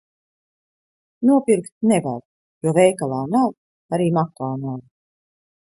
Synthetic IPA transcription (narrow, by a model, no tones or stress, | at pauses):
nuɔpiɾkt̪̚nɛva̰ɾ | juɔvɛjkalˠaːnaw | aɾiːmakaːnaw